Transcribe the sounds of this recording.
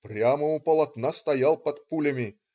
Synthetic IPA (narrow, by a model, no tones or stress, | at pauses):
pɾʲaməʊpəlˠɐt̪nast̪ɐjalˠpɐt̪pulʲəmʲɪ